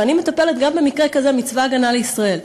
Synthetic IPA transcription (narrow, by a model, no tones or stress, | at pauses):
anime̞t̪ape̞let̪ɡambemikʁekazemit͡svaːɡanaleisʁae̞l